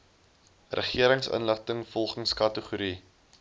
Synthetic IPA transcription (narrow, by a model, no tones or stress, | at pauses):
rʔə̰χiəɾəŋsə̰nləχtəŋfɔlˠχənskɐtəχuɾi